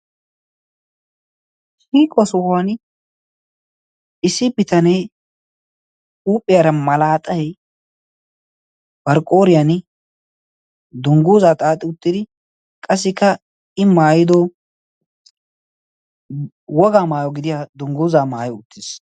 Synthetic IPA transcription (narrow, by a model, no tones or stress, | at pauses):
hiːkʼɔsʊhan | ɪsɪbɪt̪ɐnɛj | uːpʼːɪjaɾɐmɐlaːt̪ʼɐj | b̥ɐɾkʼoːɾɪjan | d̪ʊŋɡuːzaːt̪ʼaːt̪ʼːɪʊt̪ːɪd̪ɪ | kʼɐsːɪkːɐ | ɪmaːjɪd̪ɔ | wɔɡaːmaːjɔɡɪd̪ɪjaːd̪ʊŋɡuːzaːmaːjɔʊt̪ʰːɪs